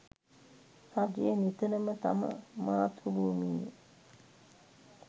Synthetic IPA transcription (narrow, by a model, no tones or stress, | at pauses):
haɡejənit̪ənəmət̪a̰mə̰maːt̪ʰulumiːnḛ